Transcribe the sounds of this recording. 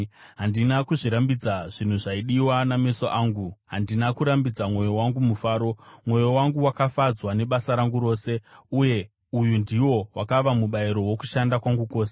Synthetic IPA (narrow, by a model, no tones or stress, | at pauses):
ɦandinakuʐiɾambid͡zaʐin̤uʐaiɗiwaname̞soʔaːŋɡuɦandinakuɾambid͡zamwo̞jo̞waŋɡumufaːɾo̞mwo̞jo̞waŋɡuwakafad͡zwane̞ɓasaɾaŋɡuɾo̞ːse̞uje̞ | ujundiwo̞wakaʋamuɓaiɾo̞wo̞ku̥ʃandakwaŋɡukoːse̥